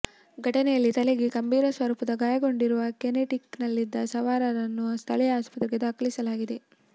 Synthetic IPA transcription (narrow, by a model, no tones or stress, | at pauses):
ɡʱɐʈɐnɛjɐlːit̪ɐleɡekɐmbiːɾɐsʋɐɾuːpɐd̪ɐɡaːjɐɡo̞ɳɖiɾuʋɐkeneʈiknɐlːid̪ːɐsɐʋaːɾɐɾɐnːust̪ʰɐɭɛjɐaːspɐt̪ɾiɡed̪aːkɐlisɐlaːɡid̪e̞